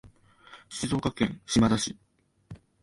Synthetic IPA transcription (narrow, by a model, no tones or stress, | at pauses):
ɕizo̞ːkakẽ̞ŋ̃ɕimad̪aɕi